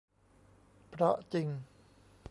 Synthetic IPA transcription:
pɾɑ˧ʔt͡ɕi˧ŋ

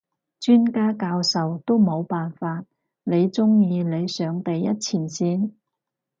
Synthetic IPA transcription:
t͡ʃyː˥nkaː˥kaː˧wsɐ˨wt̪o˥wmo˨˧wpaː˨nfaː˧t̚ | le˨˧jt͡sʊ˥ŋjiː˧le˨˧jsœː˨˧ŋt̪ɐ˨jːɐ˥t̚t͡sʰiː˨˩nsiː˥n

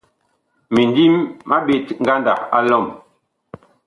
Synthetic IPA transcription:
mi˨ndi˦mma˦ɓe˦˨tŋ̩˦ɡa˦nda̰˨a˦lɔ˦˨m

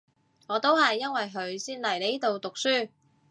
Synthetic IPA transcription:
ŋɔː˨˧t̪o˥whɐ˨jːɐ˥nwɐ˨jɦɵ˨˧˥ɥsiː˥nlɐ˨˩jle˨˥jt̪o˨wt̪ʊ˨k̚syː˥˩

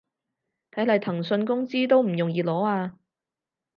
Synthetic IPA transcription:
t̪ʰɐ˨˥jlɐ˨˩jt̪ʰɐ˨˩ŋsɵ˧nkʊ˥ŋt͡siː˥t̪̬o˥wm̩˨˩jʊ˨˩ŋjiː˨˧lɔː˨˥aː˧

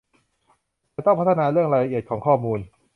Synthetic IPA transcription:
t̪ɔ˥˩ŋpʰa˦˥t̪ʰːa˧naː˧ɾɯ˥˩əŋɾaː˧jɾla˧ʔi˨˩ə˩t̪̚kʰɔː˩˦ŋkʰɔː˥˩muː˧n

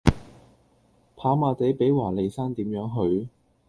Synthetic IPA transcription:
pʰaː˨˥maː˧t̪e˨˥jpe˨˥jwaː˨˩le˨jsaː˥nt̪iː˨˥mjœː˨˥ŋɦɵ˨ɥ

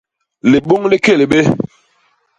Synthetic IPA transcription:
li˨ɓo˦ŋli˦ke˦˨le˨ɓe˦

